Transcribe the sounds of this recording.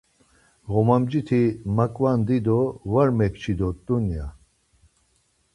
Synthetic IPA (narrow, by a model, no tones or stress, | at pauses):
ɣɔmamd͡ʒit̪ʰimakʼwand̪id̪ɔvaɾmɛkt͡ʃʰid̪ɔt̪unja